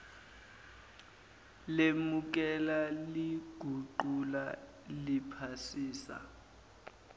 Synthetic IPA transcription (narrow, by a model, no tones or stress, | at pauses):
lemuk̬ɛlaliɡ̥ʱuǃula | lipʰasiːsa̰